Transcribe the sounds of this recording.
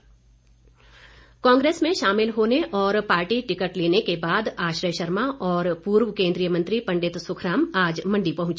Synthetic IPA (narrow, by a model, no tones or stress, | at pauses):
kãːŋɡɾeːsmẽʃaːmɪlɦoːneʔɔːɾpaːɾʈiʈɪkəʈleːnekebaːd̪aːʃɾəjʃɐɾmaʔɔːɾpuːɾwkẽːnd̪ɾijəmɐ̃nt̪ɾipɐ̃ɳɖɪt̪sʊkʰɾaːmaːd͡ʒmɐ̃ɳɖipɐɦʊ̃t͡ʃ